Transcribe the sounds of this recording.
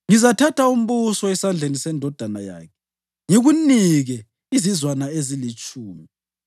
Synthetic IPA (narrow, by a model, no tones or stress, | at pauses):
ŋizatʰatʰaum̩βusɔɛsand͡ɮʱenisɛndʱɔd̥ʱanaja̰ːkʰɛ̥ | ŋeɣuniɣɛ | izizwanaezilit͡ʃʼuːmi